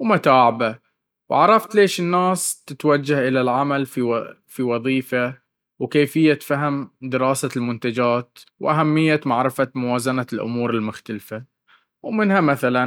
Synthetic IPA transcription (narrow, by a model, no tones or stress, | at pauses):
wmʊt̪aːʕɪba | wʕaɾˤɑft̪leːʃɪnːaːst̪ɪt̪wad͡ʒːahʔɪlalʕamalfi | fiwɑðˤiːfa | wkeːfɪjːat̪faɦɪmd̪ɪɾɑːsalmʊnt̪ad͡ʒaːt̪wʔaɦamːɪjːamaʕɾɪfamʊwaːzanalʔʊ̰muːɾɪlmʊxt̪alfa | wmɪnhamaθalan